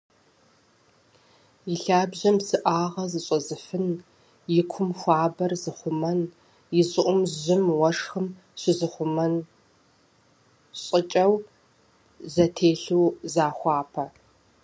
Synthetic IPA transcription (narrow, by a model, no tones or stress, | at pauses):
jɪɬaːbʑɐmsɨʔaːʁɐzɨɕʼɐzɨfɨn | jɪkʷʰʊmxʷɑːbɐrzɨχʷʊmɐn | jɪzɨʔʷʼʊmʑɪmwɐʂxɨm | ɕɪzɨχʷʊmɐn | ɕʼɪt͡ʃʼɐw | zɐtʰeːɬuːzaːxʷɑːpʰɐ